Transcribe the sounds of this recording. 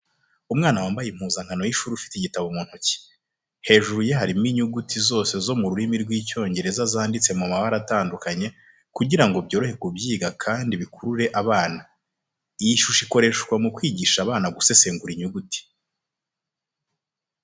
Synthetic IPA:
umŋaːnawaːmbajim̥huːzaŋ̥ɡano̞jiʃuːɾufi̥tiɟitaβomuːn̥huci̥ | he̞ːʒuɾujeɦaɾimiɲuɡutizo̞ːse̞zo̞muɾuɾimiɾɡwiːco̞ːɲɟe̞ɾe̞zazaːndit͡se̞mumaβaɾataːndukaɲe̞ | kuɟiɾaŋɡo̞bjo̞ɾo̞he̞kubɟiːɡakʰaːndiβikuɾuɾe̞ʔaβaːna | ijiʃuʃiko̞ɾe̞ʃɡwamukwiːɟiʃaβaːnaɡuse̞se̞ːŋɡuɾiɲuɡuti̥

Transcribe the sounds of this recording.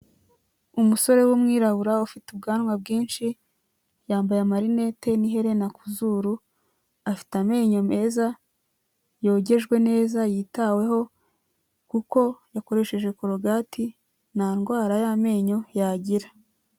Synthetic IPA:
umuso̞ɾe̞wumŋiːɾaβuɾaufitub̚ɡaːnwab̚ɡiːnʃi | jaːmbajamaɾine̞te̞niɦe̞ɾe̞nakuzuɾu | afi̥tame̞ːɲo̞me̞ːza | jo̞ːɟe̞ʒɡwe̞ne̞ːzajitawe̞ɦo̞ | kuko̞jako̞ɾe̞ʃe̞ʒwe̞kuɾoɡaːtʰi | naːnɡwaːɾajame̞ːɲo̞jaɟiɾḁ

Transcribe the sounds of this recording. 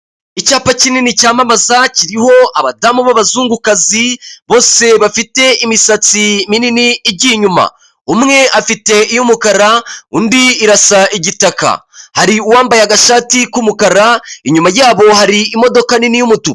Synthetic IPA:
icaːpacininicaːmamazaciɾiho̞ʔaβadamuβaβazuːŋɡukaziβo̞ːse̞βafite̞imisat͡simininiːbɟiɲuma̰ | umŋe̞ʔafite̞ijumukaɾauːndiːɾasaʔiɟitaka̰haɾiuwaːmbajaɡaʃaːtikumukaɾaiɲumajaːβo̞haɾiːmo̞do̞kaninijumutu

